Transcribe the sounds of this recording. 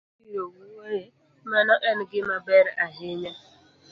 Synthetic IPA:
iɾowuweje | manɔʔɛn̩ɡɪmabeɾaɦɪɲa

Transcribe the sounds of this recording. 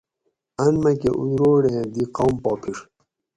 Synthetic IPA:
ɐnmɐkeʔṵd̪ɾoːɽẽd̪iqawmpoːpʰiʂ

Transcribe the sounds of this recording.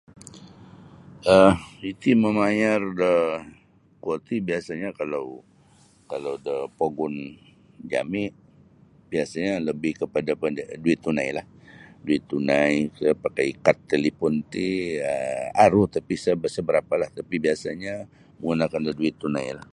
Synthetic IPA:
əit̪iməmajardə | kuot̪ibiasaɲakalaw | kalawdəpoɡʊn | d͡ʒa̰mɪʔ | b̥iasaɲaləbɪhkəpadapədduɪt̪ːunajlah | duɪt̪ːunajkəpakakat̪ːelipɔnt̪iəaɾut̪apisəbəsəbəɾapalaht̪apibiasaɲa | məŋunakandəduɪt̪ːunajlah

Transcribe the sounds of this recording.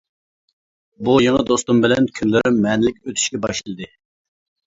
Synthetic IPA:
bujeŋəd̪ost̪umbɪlɛnkʲʰynlɪɾɪmmɛːnɪlɪkʲøt̪ʰy̥ʃkʲɛbɑʃlilˠd̪ɨ

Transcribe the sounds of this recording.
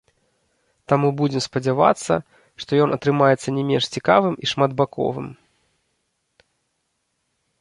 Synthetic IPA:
t̪amubud͡zʲɛmspɐd͡zʲava̰t̪sːɐ̰ | ʂt̪ɔjɔnʔɐt̪ɾɨmajɛt̪sːɐnʲɛmʲɛnʂt͡sʲikavɨmiʂmad̪bakɔ̰vɨ̰m

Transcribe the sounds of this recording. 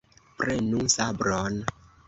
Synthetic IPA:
pɾenuŋsabɾɔn

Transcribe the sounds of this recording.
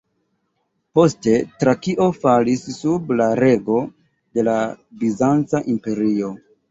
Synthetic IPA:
po̞ste̞tɾakiʔo̞falisːublaɾe̞ɡo̞ | de̞labizant͡saʔimpe̞ɾio̞

